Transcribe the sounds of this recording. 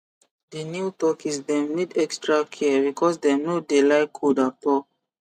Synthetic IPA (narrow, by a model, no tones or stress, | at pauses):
denjutɔkisdɛ̃mnidɛkstɹakʰibikʰɔsdɛmnudelajkʰudapɔ